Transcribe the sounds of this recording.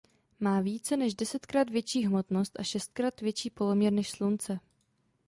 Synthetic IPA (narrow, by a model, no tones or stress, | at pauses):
maːviːt͡sɛnɛʃdɛsɛt̪kɾaːt̪vjɛt͡ʃiːɦmo̞t̪no̞st̪ʔaʃɛst̪̚kɾaːt̪vjɛt͡ʃiːpo̞lomɲɛɾnɛʃslunt͡sɛ